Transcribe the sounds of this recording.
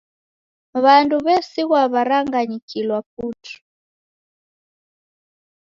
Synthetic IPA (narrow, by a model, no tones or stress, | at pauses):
βanduβɛsiɣwaβaɾaŋɡaɲikʰilwap̚utʰu̥